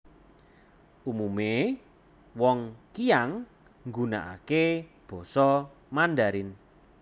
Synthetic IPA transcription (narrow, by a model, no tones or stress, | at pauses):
ʔumume | wɔŋkijaŋ | ŋɡuna̰ʔa̰ke | b̥ɔ̤sɔ | mandaɾɪn